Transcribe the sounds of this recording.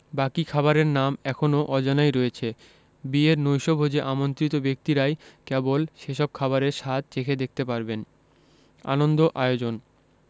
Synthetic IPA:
bakikʰaβaɾeɾnamɛkʰonoʔɔd͡ʑanajɾɔet͡ɕʰe | bieɾnojʃobʱod͡ʑeʔamont̪ɾit̪obek̚t̪iɾajkɛbolʃeʃɔb̚kʰaβaɾeɾʃat̪̚t͡ɕekʰed̪ek̚t̪epaɾben | a̰nond̪oʔaeod͡ʑon

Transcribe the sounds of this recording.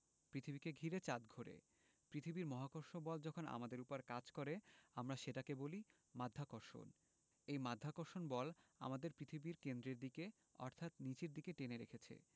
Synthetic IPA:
pɾit̪ʰibikeɡʱiɾet͡ɕad̪ɡʱoɾḛ | pɾit̪ʰibiɾmɔɦakoɾʃobɔld͡ʑɔkʰona̰mad̪eɾupoɾkad͡ʑkoɾeamɾaʃeʈakeboli | mad̪ʱːakoɾʃo̰n | ejmad̪ʱːakoɾʃonbɔla̰mad̪eɾpɾit̪ʰibiɾkend̪ɾeɾd̪ike | ɔ̰ɾt̪ʰat̪nit͡ɕeɾd̪ikeʈeneɾekʰet͡ɕʰḛ

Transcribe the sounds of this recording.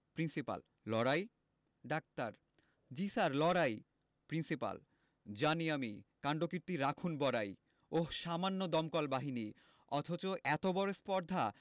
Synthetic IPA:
pɾinsipa̰lːɔɾaj | ɖak̚t̪aɾ | d͡ʑisaɾlɔɾaj | pɾinsipa̰l | d͡ʑaniamikaɳɖokiɾt̪iɾakʰunbɔɾaj | oʃamanːod̪ɔmkɔlbaɦini | ɔt̪ʰot͡ɕoʔɛt̪obɔɾespɔɾd̪ʱa

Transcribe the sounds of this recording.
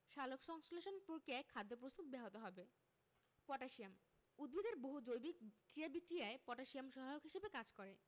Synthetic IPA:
ʃalokʃɔŋsoleʃonpuɾkeɛkʰːad̪ːop̬ɾost̪ut̪̚bɛɦot̪oɦɔbe | pɔʈaʃijam | ud̪̚bʱid̪ʱeɾboɦud͡ʑojbik̚kɾiabikɾijaepɔʈaʃiamʃɔbʱajokɦiʃebekad͡ʑkɔɾe

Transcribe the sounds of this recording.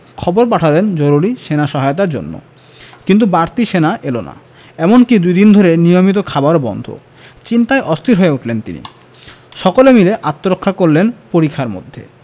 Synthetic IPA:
kʰɔboɾp̬aʈʰalend͡ʑoɾuɾiʃenaʃɔɦaeot̪̬aɾd͡ʑo̰nːo̰ | kint̪̬ubaɾt̪iʃenaʔelona̰ | ɛmonkid̪ujd̪ind̪ʱoɾenijomit̪̬okʰabaɾbɔ̰nd̪ʱo̰ | t͡ɕint̪aeʔɔst̪ʰiɾɦoeuʈʰlent̪ḭnḭ | ʃɔkolemileʔat̪ːoɾokʰːakoɾlenpoɾikʰːaɾmo̰d̪ʱːḛ

